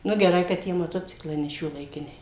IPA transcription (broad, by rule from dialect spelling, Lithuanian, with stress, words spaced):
nʊ ɡʲɛˈrɐɪ kɐ ˈtʲiɛ mɐˈtoːt͡sʲɪklˠɐɪ nʲɛ ʃʲuɔlˠɐɪˈkʲɪnʲɛɪ